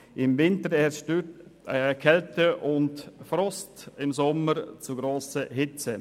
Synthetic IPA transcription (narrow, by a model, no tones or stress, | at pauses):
ʔɪmvɪntəɾɛʃtøtəkʰɛltəʔʊntfɾɔstɪmsɔməɾt͡suɡɾoːsəhɪt͡sə